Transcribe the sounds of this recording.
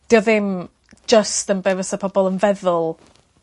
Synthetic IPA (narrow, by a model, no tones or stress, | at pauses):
d̥ɪɔðɪm̥ | d͡ʒəstənbɛvəsəpʰɔbɔlˠənvɛðʊlˠ